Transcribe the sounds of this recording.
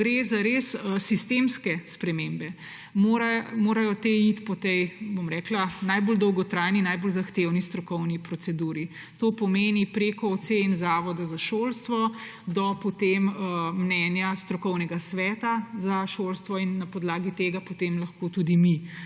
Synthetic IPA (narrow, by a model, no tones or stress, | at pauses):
ɡɾezaɾessist̪emskɛspɾɛmembɛ | moɾmoːɾajɔt̪eit̪pɔt̪ɛjbomɾɛːklanajbold̪ɔwɡɔt̪ɾajninajbolzaxt̪ewnist̪ɾɔkɔwnipɾɔtsɛd̪uːɾi | t̪oːpɔmeːnipɾekɔːt̪senzaːʋɔd̪azaʃoːlst̪ʋɔ | d̪ɔpot̪eməːnɛːnjast̪ɾɔkɔwnɛɡasʋɛːt̪azaʃolst̪ʋɔinːapɔd̪laːɡit̪eːɡapot̪emlɐxkot̪ud̪imi